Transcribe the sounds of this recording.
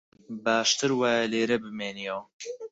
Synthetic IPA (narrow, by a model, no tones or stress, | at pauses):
baːʃt̪ɨɾwaːjɐleːɾɐbɨmeːnijɛw